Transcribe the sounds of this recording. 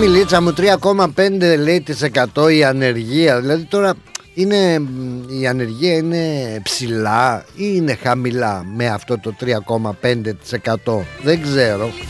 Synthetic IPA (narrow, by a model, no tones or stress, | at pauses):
milit͡sɐmut̪ɾiɐko̞mɐpend̪e̞le̞it̪ise̞kɐt̪o̞iɐne̞ɾʝiɐðilɐðit̪o̞ɾɐine̞ | iɐne̞ɾʝiɐine̞psilɐine̞xɐmilɐmeɐft̪o̞t̪o̞t̪ɾiɐko̞mɐpe̞nd̪e̞t̪i̥se̞kɐt̪o̞ðeɡze̞ɾo̞